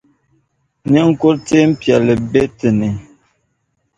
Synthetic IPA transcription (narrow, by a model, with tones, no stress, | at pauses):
ne˦ŋ̩˦˨ko˦ɾte˦m̩˦pja˨lə˨be˦tə˨ne˨